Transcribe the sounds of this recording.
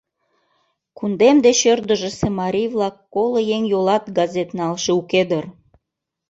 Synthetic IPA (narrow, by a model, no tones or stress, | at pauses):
kund̪emd̪eɕørd̪ə̆ʒĕsemɑɾʲijvlɑkːolojeŋjolɑt̪̚ɡɑzʲet̪nɑlʃeuked̪ər